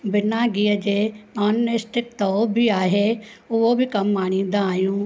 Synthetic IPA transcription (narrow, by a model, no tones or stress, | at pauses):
bɪnaːɡiːəd͡ʒeːnɔːnːeːsʈɪkt̪ooːbʱiːaːɦeː | ʊɦoːbʱiːkəmːaːɽ̃ĩːnd̪aːaːjũː